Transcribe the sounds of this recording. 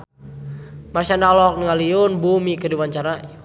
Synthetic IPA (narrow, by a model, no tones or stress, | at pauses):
marsandalɔk̚nəŋaliʊnbumikərdiwaɲt͡ʃaɾa